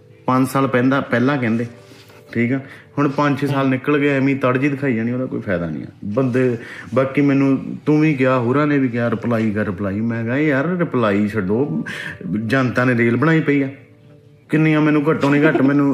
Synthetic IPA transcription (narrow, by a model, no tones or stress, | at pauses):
pə̃ɲt͡ʃsaːlpɛ̃ːnd̪aːpɛːlaːkɛ̃ːnd̪eː | ʈʰiːkɛːhʊɳ̃pə̃ɲt͡ʃsaːlnɪkːəlɡemĩːt̪əɽd͡ʒiːd̪ɪkʰaːiːd͡ʒaːɽ̃ĩːoːd̪aːkoːiːpʰɛːd̪aːnḭ̃ːɛ̰ːbəd̪baːkimɛːnũːt̪ʊʋĩːkɪjaːɦoːɾãːnẽːʋiːkɪjaːɾɪplaːiːkəɾɪplaːiːmɛ̃ːɡaːiəɾɾɪplaːiːt͡ʃʰəɖõː | d͡ʒãːnt̪ãːneːɾeːlbəɽ̃aːiːpəiːaː | kɪnːẽːãːmɛːnũːkəʈõːnẽːkəʈmɛ̃ːnũː